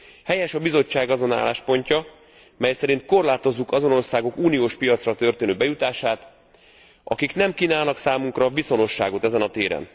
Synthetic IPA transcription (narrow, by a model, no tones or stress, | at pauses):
hɛjɛʃɒbizo̞t͡ʃːaːɡɒzo̞na̰ːlːaːʃpo̞ɲcɒ | mɛjsɛɾint̪̚ko̞rlaːt̪o̞zːukɒzo̞no̞rsaːɡo̞kuːnijoːʃpijɒt̪srɒt̪ø̞rt̪eːnøːbɛjut̪aːʃaːt̪ | ʔɒ̰kiknɛmkiːnaːlnɒksaːmuŋkrɒviso̞no̞ʃːaːɡot̪ɛzɛnɒt̪eːɾɛ̰n